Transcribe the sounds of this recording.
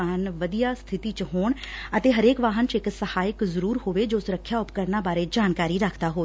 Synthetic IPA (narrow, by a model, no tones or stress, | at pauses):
aɦənʋəd̪ijaːst̪ʰɪt̪iːt͡ʃɦoːɳət̪eːɦəɾeːkʋaːɦənt͡ʃɪksəhaːjɪkzəɾuːɾhoːʋeːd͡ʒoːsʊɾəkʰːjaːʊpkəɾnaːbaːɾeːd͡ʒaːnkaːɾiːɾəkʰd̪aːɦoːe